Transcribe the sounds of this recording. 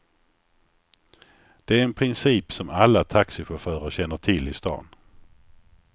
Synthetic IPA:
d̪̥ɛæɾɛnpʰɾɪnsiːpsɔmalːat̪ʰaksɪɧafœːɾaɾɕɛnːəʈʰɪlɪst̪ɑ̰ːn

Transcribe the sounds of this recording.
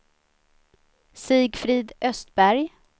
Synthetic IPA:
siːɡfɾiːd̪ʔœst̪̚bæɾj

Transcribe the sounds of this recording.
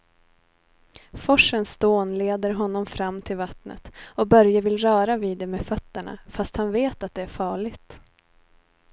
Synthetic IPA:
fɔʂənsd̪oːnleːd̪əɾɦɔnːɔmfɾamːt̪ʰɪlvat̪nə̰t̪ɔbœɾjavɪlɾœːɾaviːd̪ːɛmeːfœt̪ːəɳa̰fast̪hanveːt̪at̪̚d̪ɛæɾfɑːɭɪɡt̪

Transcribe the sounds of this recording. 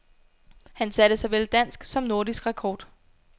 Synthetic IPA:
hænsæɾ̥əsɑ̈ɪʋeld̥æn̰sɡ̥sɒ̽mno̝ɐdisɡ̥ʁakʰɒːd̥

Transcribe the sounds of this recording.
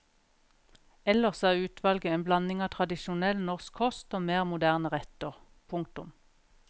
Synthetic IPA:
ɛləʁsæːʁʉːt̪ʰʋɑlɡəeːnblɑnɪŋɑːt̪ʰʁɑd̪ɪʃʊnɛlnɔʁskʰɔst̪oːmeːʁmʊd̪æːʁnəʁɛt̪əʁ | pʰʊŋk̚t̪ʊm

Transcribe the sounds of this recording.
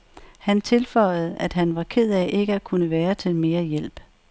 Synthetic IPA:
hænt͡sʰe̝lfɒ̽ɪ̰ð̞̩ˠæd̥ɦænʋɑ̈kʰe̝ð̞̰ˠæʔe̝ɡ̥əækʰunəʋæːɐt͡sʰe̝lme̝ːɐjel̰b̥

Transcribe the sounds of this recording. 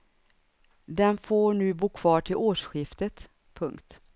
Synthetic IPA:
d̪ɛnfoːɳʉ̟ːbuːkʰv̥ɑːʈʰɪlʔoːʂɧɪft̪ət̪ | pʰɵŋkt̪

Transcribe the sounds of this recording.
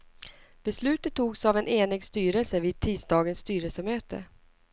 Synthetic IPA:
b̥ɛslʉ̟ːt̪ət̪ʰːuːɡsavɛneːnɪɡst̪yːɾəlsəviːd̪̚t̪ʰiːsd̪ɑːɡənsːt̪yːɾəlsəmøːt̪ə̰

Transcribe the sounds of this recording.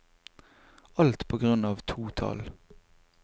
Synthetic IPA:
ɑlt̪pʰoːɡʁʉnɑːʋt̪ʰuːt̪ʰɑ̰l

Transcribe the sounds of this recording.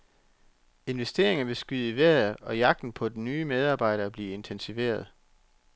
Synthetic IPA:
e̝nʋesd̥e̝ːɐe̝ŋɐʋe̝sɡ̥yð̰ˠiʋæɐɒ̽jɑ̈ɡ̥̚d̥n̩pʰɒ̽d̥enyːmeð̞ˠɑ̈ːb̥ɑ̈ɪ̰ɾ̥ɐːb̥liːe̝nt͡sʰensiʋe̝̰ːɐð̞̩ˠ

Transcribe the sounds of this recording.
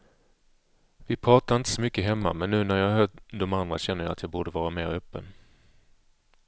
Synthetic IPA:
vɪpʰɾɑːt̪aɾɪnt̪ə̥sɔmʏkːəɦɛmːa̰mɛnːʉ̟ːnæɾjɑːɦœld̪ɔmand̪ɾa̰ɕɛnːəja̰at̪jɑːbuːɖəvɑːɾameːɾœpːə̰n

